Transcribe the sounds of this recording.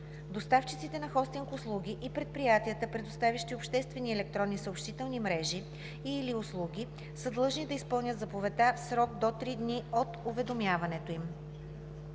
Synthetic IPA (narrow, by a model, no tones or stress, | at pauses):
d̪ost̪aft͡ʃit̪sit̪ɛnɐxɔst̪iŋkʊslˠuɡ̟ʲiʔipɾɛt̪̚pɾijat̪iət̪əpɾɛd̪ost̪avʲiʃt̪iopʃt̪ɛst̪vɛniɛlɛk̚t̪ɾɔnːisəopʃt̪it̪ɛlˠnimɾɛʒi | iliʊslˠuɡʲi | səd̪lˠɤʒnid̪ɐispɤlˠnʲət̪zɐpovɛt̪afsɾɔɡ̚d̪ot̪ɾid̪niot̪ʊvɛd̪omʲjavɐnɛt̪oim